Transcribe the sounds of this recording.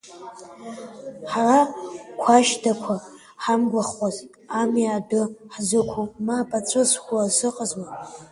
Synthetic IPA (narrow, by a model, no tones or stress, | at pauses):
ħarakʷʰaʃdakʷʰa | ħamɡʷaχʷazʼ | amiadɨħzɨkʷʰumapʼat͡sʷʰɨsxʷasɨqʼəzwa